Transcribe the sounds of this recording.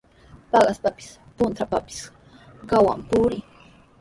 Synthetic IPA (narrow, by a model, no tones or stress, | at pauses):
pɑɢɑspapɪ̥spʊnt̪apapɪ̥s | ɢɑwa̰mpʊɾɪ